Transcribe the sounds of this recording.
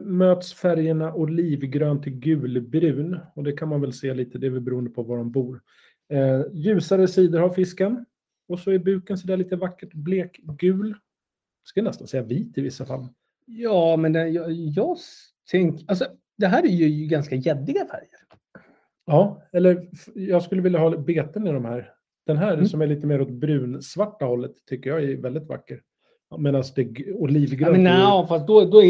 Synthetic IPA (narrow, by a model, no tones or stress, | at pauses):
møːt̪sfæɾjəɳaʔɔliːvɡɾøːnt̪ʰɪɡʉ̟ːlbɾʉ̟ːnɔd̪ɛkʰanmanvɛlseːliːt̪əd̪ɛvɪbɛɾuːənd̪əpʰɔvaɖɔmbuːɾ | jʉ̟ːsaɾəsiːd̪əɾhaɾfɪskən | ɔsɔæɾbʉ̟ːkənsɔd̪ɛːɭiːt̪əvakːəʈbleːkɡʉ̟ːl | skajanɛst̪ansɛjːaviːt̪ɪvɪsːafa̰lː | jɑːmɛnd̪ɛjɑjɑː | t̪ʰɛŋkals̬ɔ | d̪ɛɦæːɾæɾjɵjɡanskajɛd̪ːɪɡafæ̰ɾjəɾ | ɑːɛlːəɾfjɑːɡskɵlːəvɪljaɦɑːbeːt̪ənɪd̪ɔmhæːɾ | d̪̥ɛnɦæːɾsɔmæɭiːt̪əmeːɾɔt̪̚bɾʉ̟ːnsvaʈːahɔlːət̪ʰːʏkːəjɑːɡæɾvɛld̪ɪt̪va̰kːəɾ | meːd̪ansd̪ɛʊliːvɡɾɛnɛfast̪̚d̪ɔd̪ɔ